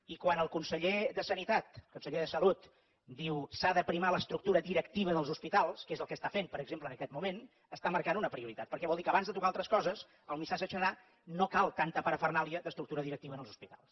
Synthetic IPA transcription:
ikwanəlˠkunsəʎeðəsənit̪at̪kunsəʎeðəsəlut̪ | d̪iwsaðəpɾimaləst̪ɾuk̚t̪uɾəðiɾəkt̪iβ̞əðəlˠzuspit̪alˠskezəlˠkəst̪afempəɾəɡzemplənəkɛt̪mumen | əst̪aməɾkanunəpɾiuɾit̪at̪̚pəɾkɛβɔlˠd̪ikəβanzðət̪ukalˠt̪ɾəskɔzəs | əlˠmisad͡ʒət͡ʃəða | nokalˠt̪ant̪əpəɾəfərnaliəðəst̪ɾuk̚t̪uɾəðiɾək̚t̪iβənəlˠzuspit̪alˠs

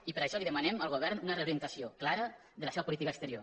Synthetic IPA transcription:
ipəɾəʃɔliðəmənɛməlˠɣ̞uβ̞ɛrnunəreuɾiənt̪əsioklaɾə | ðələseβəpulit̪ikəːkst̪əɾio

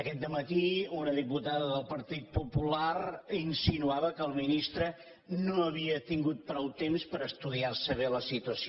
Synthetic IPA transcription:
əkɛt̪̚d̪əmət̪iunəðiput̪aðəðəlˠpəɾt̪it̪̚pupulaɾinsinuaβəkəːlˠminist̪ɾə | noəβiət̪iŋɡut̪̚pɾɔwt̪emspəɾəst̪uðiarsəβɛləsit̪uəsi

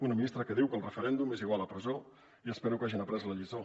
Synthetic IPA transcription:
unəminist̪ɾəkəðiwkəlˠrəfəɾɛnd̪umeziɣwaləpɾəzo | iəspeɾukaʒinəpɾɛzləʎizo

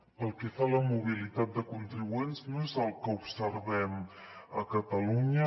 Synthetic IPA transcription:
pəlˠkɛfaləmuβ̞ilit̪at̪̚d̪əkunt̪ɾiβuenznoezəlˠkəubsəɾβɛm | əkət̪əluɲə

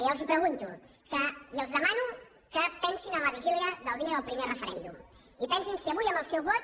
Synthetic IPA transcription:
jawzipɾəɣunt̪ṵ | kəjəwzðəmanu | kəpɛnsinəmləβiʒiliəðəlˠβinəðəlˠpɾimerəfəɾɛ̰nd̪ṵm | ipɛnsinsiəβujəmbəlˠsɛwβɔt̪̚

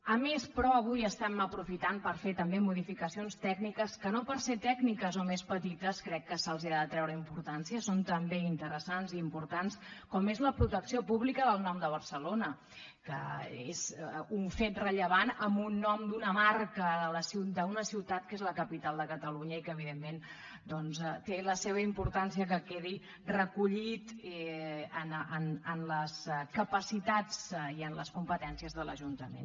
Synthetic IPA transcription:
əmespɾɔəβ̞ujəst̪ɛməpɾufit̪anpəɾfet̪əmbemuðifikəsionst̪ɛɡnikəskənopəɾset̪ɛɡnikəzomespət̪it̪əskɾɛkːəsəlˠziɾaðət̪ɾɛwɾəimpuɾt̪ansiəsont̪əmbeint̪əɾəsanziːmpuɾt̪anskɔmezləpɾut̪əksiopuβlikəðəlˠnɔmd̪əβ̞əɾsəlonə | kə̰ḛzuɱfet̪rəʎəβ̞anəmbunːɔmd̪unəmarkəðələsid̪əunəsiwt̪at̪̚kezləkəpit̪alˠd̪əkət̪əluɲəikəːβiðemːen | d̪ɔnzɛt̪eləseβ̞əimpuɾt̪ansiəkəkeði | rəkuʎit̪ɛənənənləskəpəsit̪at͡siənləskumpət̪ɛnsiəzðələʒunt̪əmḛn

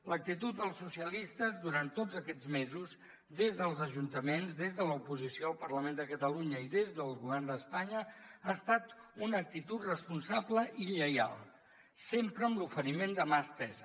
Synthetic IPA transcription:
lək̚t̪it̪ut̪̚d̪əlˠsusiəlist̪əzðuɾant̪odd͡zəkɛd͡zmezuz | ðezðəlˠzəʒunt̪əmenzðezðələupuzisioəlˠpərləmend̪əkət̪əluɲəiðezðəlˠɣuβ̞ɛrnd̪əspaɲəaəst̪at̪unəːk̚t̪it̪ut̪rəspunsabləʔiʎəja̰lˠ | sempɾəːmlufəɾimend̪əmast̪ɛzə

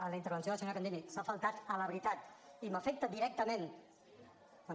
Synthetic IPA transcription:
ələint̪əɾβ̞ənsjoðəsenakand̪emisafəlˠt̪at̪ələβɾit̪at̪iməfɛk̚t̪əd̪iɾɛk̚t̪əmẽn | ka

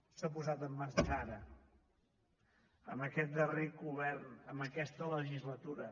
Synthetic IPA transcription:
sapuzat̪əmːərt͡ʃaɾə | ə̰məkɛt̪̚d̪ərikuβɛrnəməkɛst̪ələʒizlət̪uɾə

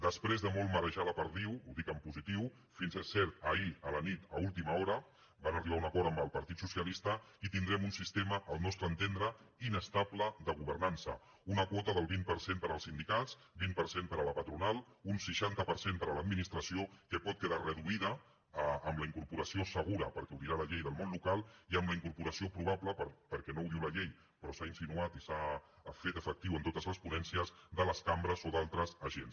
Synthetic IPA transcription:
d̪əspɾezðəmɔlˠməɾəʒaləpəɾðiwuðikəmpuzit̪iw | finzəsɛɾt̪əiələnit̪ə̰ulˠt̪iməɔɾə | banəriβaunəkɔɾt̪əmbəlˠpəɾt̪it̪susiəlist̪əit̪ind̪ɾɛmunsist̪eməʔːlˠnɔst̪ɾənt̪end̪ɾəinəst̪abləðəɣuβəɾnansə̰ | unəkwɔt̪əðəlˠβimpəɾsempəɾəlˠsind̪ikatt͡s | bimpəɾsempəɾələpət̪ɾunalˠ | unsəʃant̪əpəɾsempəɾələd̪minist̪ɾəsiokəpɔt̪̚kəðarəðuiðəː | mləiŋkuɾpuɾəsiosəɣ̞uɾə̰pəɾkɛuwðiɾaləʎejðəlˠmonlukalˠiəmləiŋkuɾpuɾəsiopɾuβapləpəɾpəɾkɛnowðiwləʎej | pɾɔsainsinuat̪isa | fet̪əfək̚t̪iwənt̪ot̪əzləspunɛnsiəzðələskambɾəzoðalˠt̪ɾəzəʒens

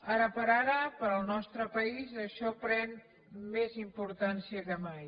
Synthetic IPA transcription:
aɾəpəɾaɾəpəɾəlˠnɔst̪ɾəpəizəʃɔpɾɛn | mezimpuɾt̪ansiəkəmaj

